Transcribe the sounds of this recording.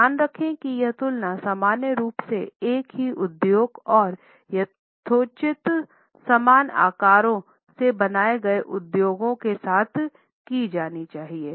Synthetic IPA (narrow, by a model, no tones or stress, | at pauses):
jaːnɾɐkʰẽkijɐt̪ʊlnasaːmaːnjəɾuːpseeːkɦiʔʊd̪joːɡɔːɾ | jɐ | t̪ʰoːt͡ʃɪt̪ | sɐmaːna̰ːkaːɾõ | sebɐnaːeɡɐeʔʊd̪joːɡõkesaːt̪ʰ | kid͡ʒaːnit͡ʃaːɦieː